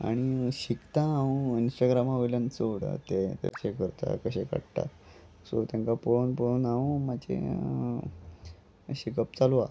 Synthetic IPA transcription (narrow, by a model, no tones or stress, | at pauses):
a̰ɽ̃iɕikt̪ãːwũinsʈaɡɾamaʋilant͡səɽə̰t̪et̪a̰ɕekəɾt̪a̰kəɕeka̰ɽʈ̪a̰ | so̰t̪jãŋkaponpəɽunawũmad͡ʑḛ | ɕikəp̚t͡salua